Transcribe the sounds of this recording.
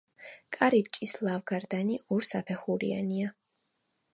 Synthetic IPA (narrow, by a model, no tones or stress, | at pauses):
kʼaɾib̚t͡ʃʼislˠavɡaɾd̪aniʔuɾsapʰɛχuɾḭa̰nia